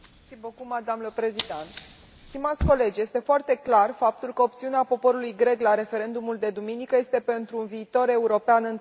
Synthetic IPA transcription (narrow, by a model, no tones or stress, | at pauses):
t̪ibəkumad̪amləpɾezid̪an | st̪imat̪sʲko̞le̞d͡ʒʲje̞st̪e̞foart̪e̞klarfap̚t̪ulkəopt̪siuneapo̞po̞ɾulujɡɾe̞klaɾe̞fe̞ɾe̞nd̪umuld̪e̞d̪uminikəje̞st̪e̞pe̞nt̪ɾuːnviːt̪o̞ɾe̞uɾo̞peanɨn